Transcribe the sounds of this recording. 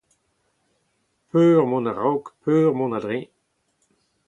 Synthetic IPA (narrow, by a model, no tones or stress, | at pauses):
pʰøːʁmɔ̃naʁɔwkpʰøːʁmɔ̃nad̪ʁẽ